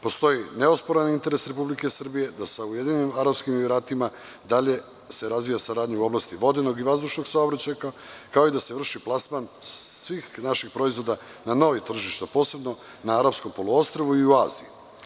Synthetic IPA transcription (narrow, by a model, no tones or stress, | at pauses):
po̞st̪o̞jine̞ospoɾanint̪e̞ɾe̞sɾe̞publike̞sr̩bije̞d̪asaujed̪iɲnimaɾapskimiɾaːt̪ima | d̪aʎe̞ | se̞ɾazʋijasaɾaːd̪ɲuuo̞blˠast̪iʋo̞d̪eno̞ɡiʋazd̪uʃnoɡsaobɾat͡ɕajkakao̞id̪aseʋr̩ʃiplˠasmansʋiːxnaʃixpɾo̞izʋo̞d̪a | nano̞ʋit̪r̩ʒiʃt̪apo̞ːse̞bno̞ | naaɾapsko̞mpo̞lˠuost̪ɾoʋuiuazḭji